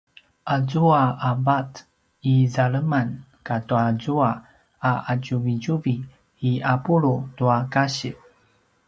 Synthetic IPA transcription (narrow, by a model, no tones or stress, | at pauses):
ʔazuaabat | izaɭəman | katuazua | aaɟuviɟuviː | apuɾutuakaɕi